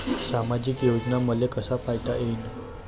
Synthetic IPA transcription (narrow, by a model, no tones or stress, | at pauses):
samad͡ʑikjod͡ʑnaməlekəsapajʈ̪aʔein